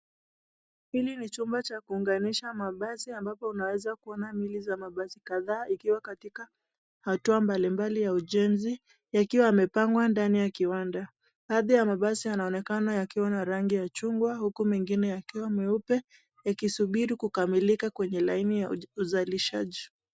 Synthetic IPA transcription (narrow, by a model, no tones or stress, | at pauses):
hilinit͡ʃumbat͡ʃakuːŋɡaniʃamaɓasiambapɔunawɛzakuɔnamilizamaɓasi̥kaðaːʔikiwakatika | hatuambalimbalijauʄɛnzi | jakiwaamɛpaŋɡwandanijakiwanda | ɓaːðijamaɓasianaɔnɛkanajakiwanaɾaŋɡijat͡ʃuŋɡwahukumɛŋɡinɛjakiwamɛupɛ | jakisuɓiɾikukamilikakwɛɲɛlainijauzaliʃaʄi